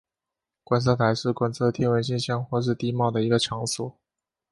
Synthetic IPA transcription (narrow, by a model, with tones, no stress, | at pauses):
kwa˧˥nt͡s̬ʰɤ˥˩t̪ʰa˧˥ɪʂɻ̩˥˩kwa˥nt͡sʰɤ˥˧t̪ʰjɛ˥˩nwə˧˥nɕɛ˥˧nɕjɑ˥ŋxwɔ˥˧ʂ̬ɻ̩˥˧t̪i˥˧mɑ˥˩ʊd̪ə˩i˧˥ɡə˧ʈ͡ʂʰjɑ˧˥ŋswɔ˨˩˦